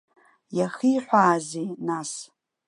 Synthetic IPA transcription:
jaχiːħʷaːzinas

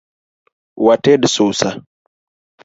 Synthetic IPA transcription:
watɛdsusa

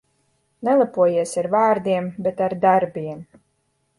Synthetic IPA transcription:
nɛlˠapuɔjiɛsaɾvaːɾd̪iɛmbet̪aɾd̪aɾbʲiɛm

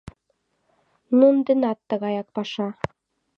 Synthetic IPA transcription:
nund̪ɘ̆nɑt̪ːɤ̆ɣɑjɑk̚pɑʃɑ

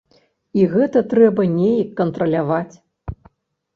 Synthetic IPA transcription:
iɣɛt̪ɐt̪ɾɛbɐnʲejɐkːɐnt̪ɾɐlʲavat͡sʲ

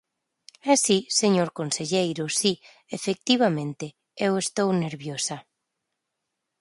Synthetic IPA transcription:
ɛsiseɲoɾkonseʎejɾʊsi | efek̚t̪iβ̞amẽnt̪e | ewest̪owneɾβjosa

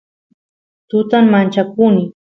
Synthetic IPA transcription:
t̪ʊt̪ammant͡ʃakʊnɪ

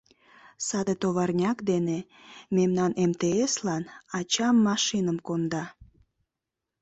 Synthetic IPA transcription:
sɑd̪et̪oβɑrnʲɑkd̪ene | memnɑnemt̪eeslɑnɑt͡ɕɑmːɑʃinəmkond̪ɑ

